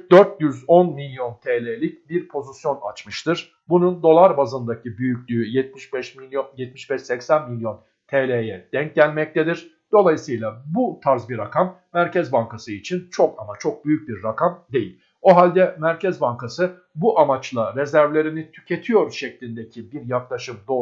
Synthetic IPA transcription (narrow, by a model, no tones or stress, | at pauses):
d̪̥øɾt̪̚jyzo̞nmilʲjo̞nt̪ʰeːlʲeːlʲic̚biɾpʰo̞zisjo̞na̰t͡ʃmɯʃt̪ʰɯɾ̥ | bunund̪o̞lˠaɾbazɯnd̪acʰibyjycʲlʲyyjɛt̪̚miʃbɛʃmilʲjonjɛt̪̚miʃbɛʃsɛcsænmilʲjo̞n | t̪ʰeːlʲeːjɛd̪̥ɛɲc̚ɟælʲmɛc̚t̪ʰed̪iɾ̥ | d̪̥o̞lˠajɯsɯjlˠabut̪ʰaɾzbiɾakʰamːæɾcɛzbaŋkasɯit͡ʃʰint͡ʃʰo̞kamat͡ʃʰo̞k̚byjyc̚biɾːakʰamd̪e̞jḭlʲ | o̞ɦalʲd̪ɛmæɾcɛzbaŋkasɯ | buʔamat͡ʃlˠaɾɛzæɾvlʲe̞ɾinit̪ʰy̥cʰe̞t̪ʰijo̞ɾʃɛclʲind̪e̞cʰibiɾjaklˠaʃɯmd̪o